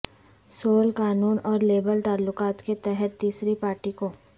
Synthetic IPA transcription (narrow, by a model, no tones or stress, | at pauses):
soːlkaːnuːnɔːɾleːbəlt̪aːlːʊkaːt̪ket̪ɛɦɛt̪ːiːsɾipaːɾʈikoː